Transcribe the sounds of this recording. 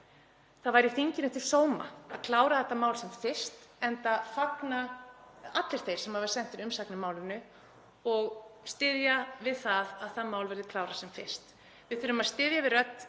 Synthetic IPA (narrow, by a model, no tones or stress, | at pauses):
θaðvajɾɪθiɲcɪnʏt̪ʰɪlsoːwma̰aðkʰlaːwɾaθɛt̪ːamaːwlsɛmfɪ̥st̪ɛnt̪afakna | at̪lɪɾ̥θejɾ̥sɛmhavaɾ̥sɛn̥t̪ɪnʏmsaknɪmaːwlɪnʏ | ɔɣst̪ɪðjavɪðθaðaðθaðmaːwlvɛɾðɪkʰlaːwɾasɛmfɪr̥st̪ | vɪðfɪɾʏmaðst̪ɪðjavɪðrœt̪